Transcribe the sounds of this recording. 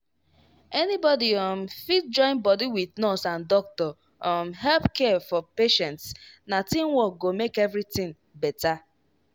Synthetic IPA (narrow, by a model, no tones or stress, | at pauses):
ɛnibɔdiɔmfit̚d͡ʒɔ̃ɪ̃nbɔdiwiðnɔsãndɔk̚tɔ | ɔmɦɛlpkɛfɔpeʃɛ̃ntsnatĩmwɔɡomekevɾitĩŋ | bɛta